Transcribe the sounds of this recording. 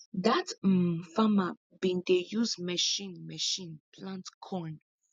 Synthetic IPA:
datm̩fama | bĩntejuzmɛʃĩnmɛʃĩnpʰlãntkʰɔn

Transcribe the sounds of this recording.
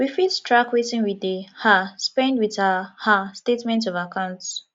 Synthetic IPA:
wifidstʰɹakwetĩŋwidehaspɛ̃ndwitahastetmɛ̃ntɔvakʰãʊ̃nts

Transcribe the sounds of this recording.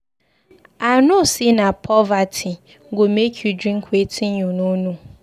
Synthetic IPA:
anosinapʰɔvatʰi | ɡomekʰjudɾĩŋkʰwetʰiɲununu

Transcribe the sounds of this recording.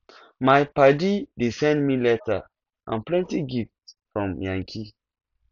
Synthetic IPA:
majpadidesɛ̃ndmilɛta̰ | ʔã̰nplɛ̃ntiɡiftfɹɔ̃mjãŋkʰi

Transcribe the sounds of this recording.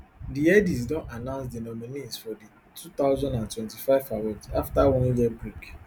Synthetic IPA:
diɛdis̬dɔ̃nanãʊ̃ns̬dinɔminisfɔdi | tʰut̪aʊzɔ̃ndãntwɛ̃ntifaɪvawɔdaftawɔ̃nd͡ʒɛbɹik

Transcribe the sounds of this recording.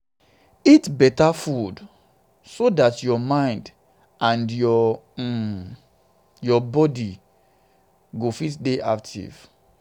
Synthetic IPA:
itbɛtafud | sodatjɔmãɪ̃nd | ãndjɔ | jɔbɔdi | ɡofitdeʔa̰ktʰḭv̥

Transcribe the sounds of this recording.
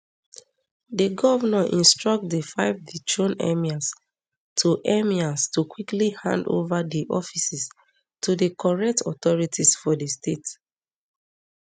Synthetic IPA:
dəɡɔvanaʔḭ̃nstɹɔk̚tdəfaɪvdit͡ʃõnɛ̰mias | tʰuʔɛmiastukwiklihã̰ndo̰vadiʔɔfisis | tʰudəkʰɔɹɛk̚tʰɔtɔɹitʰisfɔdəstet

